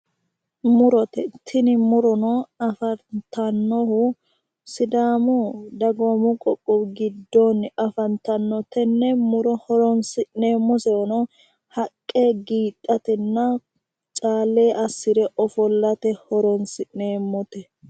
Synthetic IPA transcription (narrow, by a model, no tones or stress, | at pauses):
mʊɾɔt̪ɛt̪ʰːɪnɪmʊɾɔnɔɐfɐnt̪ɐnːɔhʊ | sɪd̪aːmɔd̪ɐɡɔmʊkʼɔkʼːɔbɡɪd̪ːɔnɐfɐnt̪ɐnːɔt̪ɛnːɛmʊɾɔhɔɾɔnsɪne̞ːmːɔsɛɔnɔ | hɐkʼːe̞ːɡiːt̪ʼːɐt̪ɛnːɐ | t͡ʃʼaːlːeːʔɐsːɪɾɛʔɔfɔlːɐt̪ɛhɔɾɔnsɪne̞ːmːɔt̪ɛ